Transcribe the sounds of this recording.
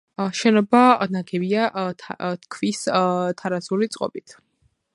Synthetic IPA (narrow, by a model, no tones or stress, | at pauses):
ʃɛnɔbanaɡɛbia | t̪̚ʰkʰvist̪ʰaɾazulit̪sʼqʼɔ̰bit̪ʰ